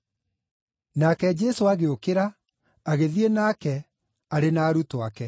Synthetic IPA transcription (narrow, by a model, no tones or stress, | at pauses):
nakɛd͡ʒɛsoaɣeokeɾa | aɣeðienaːkɛ | aɾenaːɾutoakɛ